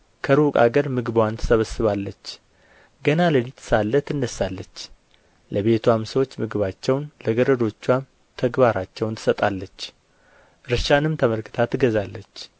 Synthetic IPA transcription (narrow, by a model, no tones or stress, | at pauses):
kʰəɾukʼa̰ɡəɾmɨɡɨbwant̪ʰə̥səβəsːɨβalːət͡ʃː | ɡənaləlit̪salːət̪ɨnːəsːalːət͡ʃː | ləβe̞t̪ʰuwamsəwot͡ʃːmɨɡɨβat͡ʃːɛwnləɡəɾəd̪o̞t͡ʃːwam | t̪ʰəɡbaɾat͡ʃːɛwnt̪ʰɨ̥sət̪ʼalːət͡ʃː | ɾɨʃanɨmt̪ʰəməlkɨ̥t̪ʰat̪ʰːɨɡəzalːət͡ʃː